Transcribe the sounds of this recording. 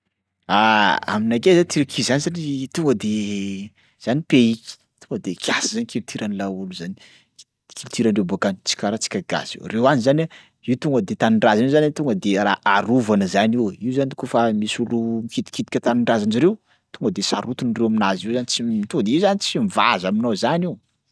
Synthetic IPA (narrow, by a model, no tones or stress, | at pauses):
aa̰minakezat̪iɾakʰizanzanit̪uŋɡəd̪e | z̥anipeiki̥ | t̪uŋɡəd̪ekʲʰjasizanikilut̪ʰiɾanilauluzani̥ | i̥ | kʰilut̪iɾanɖ͡ʐewbakant͡si̥kʲaɾat͡si̥kʲaɡa̰zḭwrewanizana | iut̪uŋɡəd̪et̪aniɳɖ͡ʐazanezanit̪uŋɡəd̪eɾa̰ʔaɾuvanəzaniwiuzanikofamisulumikit̪i̥kit̪i̥kʲət̪aniɳɖ͡ʐazaniɾew | t̪uŋɡəd̪esa̰ɾut̪unrewaminaziwzanit͡sit̪uŋɡəd̪eiwzanit͡simivazaminozaniw